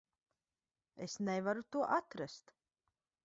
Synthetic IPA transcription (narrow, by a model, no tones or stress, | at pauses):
esnɛvaɾut̪uɔʔat̪ɾast̪